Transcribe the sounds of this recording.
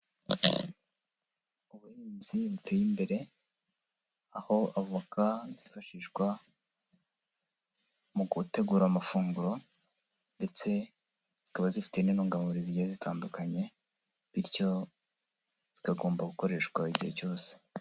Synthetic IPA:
uβuhiːnziβutʰe̞ːjimbe̞ɾe̞ | aho̞aβuβakazifaʃiːʃɡwa | muɡute̞ɡuːɾaːmafuːŋɡuɾo̞ | nde̞t͡se̞ | z̥ikaβazifi̥teninuːŋɡamuɾiziihezitʰaːndukaɲe̞ | βiɾco̞ | zz̥ikaɡo̞ːmbaɡuko̞ɾe̞ːʃkwaiɟihe̞co̞ːse̥

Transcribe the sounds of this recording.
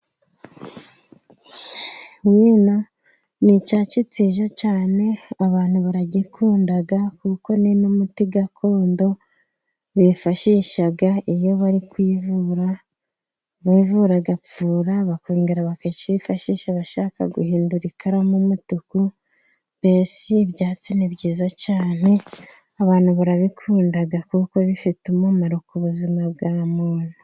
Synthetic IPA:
wiːno | nit͡ʃaːt͡ʃit͡siʒat͡ʃaːne̞aβaːn̥huβaɾaɟikʰuːndaɡakuko̞nenumutiɡakʰo̞ːndo̞ | βifaʃiʃaɡaijo̞βaɾikwiːvuɾa | βiːvuɾaɡap͡fuːɾaβakoːŋɡeɾaβaket͡ʃiβifaʃiːʃaβaʃaka̰ɡuhiːnduɾikʰaɾamumutuku | b̥eːsiβɟaːt͡siniβɟiːzacaːne̞ | aβaːn̥huβaɾaβikʰuːndaɡakuːko̞βifitumumaɾokuβuzimaβɡaːmuːn̥u

